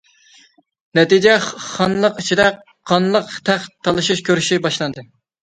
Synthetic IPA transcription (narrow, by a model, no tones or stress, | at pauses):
nɛt̪id͡ʒɛχɑnlˠəqit͡ʃʰid̪ɛ | qʰːɑnlˠəqt̪ʰæχtt̪ʰːɑlˠɨʃiʃkʲøɾyʃibɑʃlˠɑnd̪ɨ